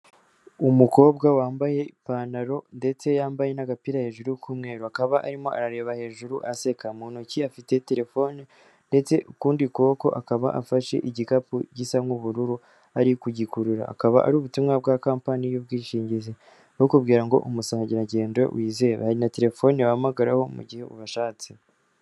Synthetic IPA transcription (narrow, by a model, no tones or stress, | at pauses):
umuko̞ːbɡawaːmbaje̞ipaːnaɾo̞nde̞t͡se̞jaːmbaje̞naɡapiɾahe̞ːʒuɾukʰuːmŋe̞ːɾuakaβaʔa̰ɾimo̞ʔa̰ɾaɾe̞ːβahe̞ːʒuɾuʔase̞kamuːn̥uciafite̞te̞ɾe̞fo̞ːni | nde̞t͡se̞ʔukuːndikoko̞̰ʔakaβa̰ʔafaʃḛʔiɟikapṵɟisamŋuβuɾuɾu | aɾikuɟikuɾuɾa̰ːkaβa̰ʔa̰ɾuːβutumŋabɡakaːmpanijub̚ɡiːʃiːɲɟize | okubɡiːɾaŋɡo̞̰ʔumusaːɲɟiɾaɟe̞ːndḛwiːze̞βa̰haɾinate̞ɾe̞fo̞ːniwaamaɡaɾaho̞mṵɟihe̞ṵβaʃaːt͡se